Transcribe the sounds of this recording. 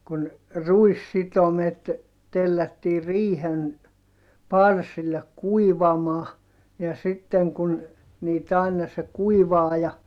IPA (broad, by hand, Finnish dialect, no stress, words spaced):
kun ruisːitomet telːætːiː riːhen pɑrsilːek kuiʋɑmɑː jɑ sitːeŋ kun niːt ɑˑinɑ se kuiʋɑːjɑ